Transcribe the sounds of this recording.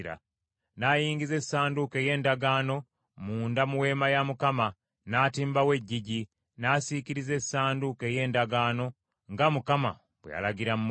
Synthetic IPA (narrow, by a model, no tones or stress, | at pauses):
ɾa̰ | najiːŋɡize̞sːaːnduke̞je̞ːndaɡaːno̞ | muːndamuwe̞ːmajamukama | naːtiːmbawe̞ɟːiɟi | nasikiɾize̞saːnduke̞ːje̞ːndaɡaːno̞ | ŋɡamukama̰ | bwea̰laɡiɾamm